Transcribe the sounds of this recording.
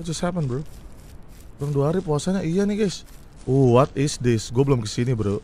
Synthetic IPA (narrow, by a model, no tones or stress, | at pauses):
t̪̚d͡ʒəsthapənbəɾu | oɾaŋduaɦaɾipuasaɲaʔijaniɡas | owɔt̪̚ɪsdɪsɡuabəlʊmkəsinibəɾo